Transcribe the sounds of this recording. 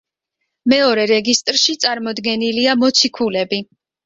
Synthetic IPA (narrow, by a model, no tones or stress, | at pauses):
mɛɔɾɛɾɛɡist̪ʼɾʃit̪sʼaɾmɔd̪ɡɛniliamɔt̪sʰikʰulɛbi